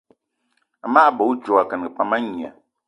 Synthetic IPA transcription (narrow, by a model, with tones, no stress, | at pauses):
a˨maː˦˨bo˨˦d͡ʒɔ˨a˨kə˨n˨ɡə˨k͡pa˨ma˦ɲ˨a̰˨